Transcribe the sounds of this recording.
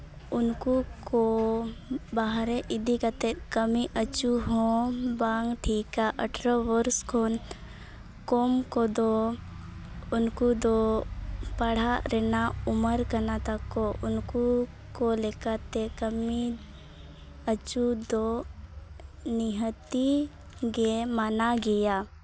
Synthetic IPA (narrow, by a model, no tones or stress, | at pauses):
ʊnkuko | baɦɾeʔɪd̪ʱikat̪ekəmiʔət͡ʃuɦõbaŋɡʈʰiːkaʔəʈʰɾəʋəɾskʰon | komkod̪o | ʊnkud̪o | pəɽ̤aɾenaʊməɾkənat̪ɐkoʔʊnku | kolekat̪ekəmi | ət͡ʃud̪o | niɦət̪i | ɡemanaɡija